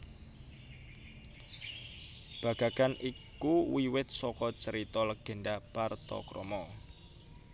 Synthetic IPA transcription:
b̥a̤ɡ̥akanʔikuwiwɪt̪̚sɔkɔt͡ʃəɾit̪ɔləɡ̥ə̤ɳɖapart̪ɔ̰kɾɔ̰mɔ

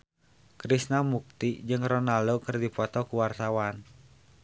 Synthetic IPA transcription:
kɾisnamuk̚t̪id͡ʒɨŋrɔnaldokɨrdipɔt̪ɔkuwart̪awan

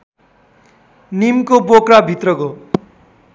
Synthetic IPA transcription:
nimkobokɾabʱit̪rʌko

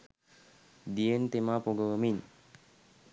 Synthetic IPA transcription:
d̪ient̪emapoɡəəmin

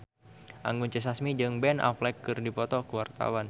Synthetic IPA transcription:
ʔa̰ŋɡunt͡ʃəs̬asmid͡ʒɨŋbɛna̰flɛkːɨrdipɔt̪ɔkuwart̪a̰wan

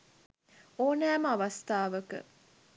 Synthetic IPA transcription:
oːnæːməaʋɐst̪aːʋəkə̰

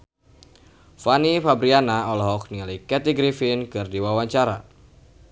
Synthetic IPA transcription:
fanifabɾianaɔlɔɦɔk̚nialikɛt̪iɡɾifɪnkɨrdiwawaɲt͡ʃaɾa

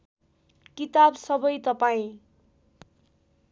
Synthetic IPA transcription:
kit̪absʌbʌjt̪ʌpaĩ

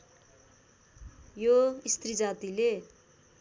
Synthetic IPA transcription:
joist̪rid͡zat̪ile

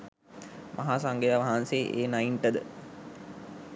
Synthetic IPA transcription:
mʔaɦaːsaŋɡejaʋaɦanseːʔeːnaiɳʈəd̪ə̰

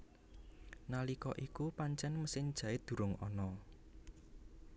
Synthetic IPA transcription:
nalikɔʔikupaɲt͡ʃɛnməsɪɲ̥ʒ̥a̤ɪd̪̥ṳɾʊŋɔ̰nɔ

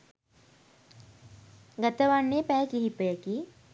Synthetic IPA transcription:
ɡat̪əʋanːepæːkiɦipəjəki

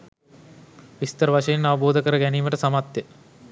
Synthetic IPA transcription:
ʋist̪əɾʋaʃɐjenaʋəboːd̪ʱəkəɾəɡæniːməʈəsamat̪jə

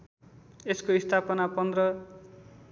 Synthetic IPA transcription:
eskoist̪ʰapʌnapʌnd̪rʌ

